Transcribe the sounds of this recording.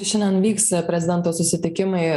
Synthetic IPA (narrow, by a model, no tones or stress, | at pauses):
ʃʲɪnʲd̪ʲɛnʋʲiːkspʲɾʲɛzʲɪd̪ʲɛnt̪oːsʊsʲɪt̪ʲɪkʲɪmɐɪ